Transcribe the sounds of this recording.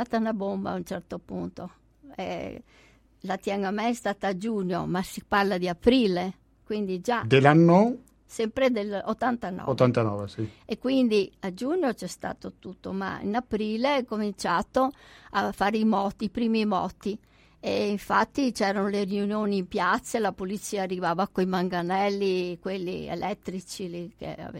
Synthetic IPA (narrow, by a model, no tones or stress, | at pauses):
aːt̪aunabomba̰unt͡ʃɛrt̪opunt̪o | ɛ̰ | lat̪jaŋɡamɛɛst̪aːt̪aːd͡ʒuɲːo̰masiparlad̪iapɾiːle | kwind̪id͡ʒad̪elːanːo | sɛmpɾed̪elo̰t̪ːant̪anɔ̰ot̪ːant̪anɔːvesiekːwind̪iad͡ʒuɲːot͡ʃɛst̪a̰ːt̪ot̪ut̪ːoma̰ḭnapɾiːleɛkomint͡ʃaːt̪oafːaːɾeimɔt̪ipɾiːmimɔ̰ːt̪i | eiɱfat̪ːit͡ʃɛːɾanoleriunjoːniːmpjat̪sːaelapolit͡ʃiːaːrːivaːvakoimaŋɡanɛlːikwelːḭḛlɛt̪ːɾit͡ʃilikḛa̰